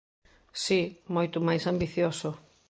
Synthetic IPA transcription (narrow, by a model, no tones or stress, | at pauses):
simojt̪ʊmajsambiθjosʊ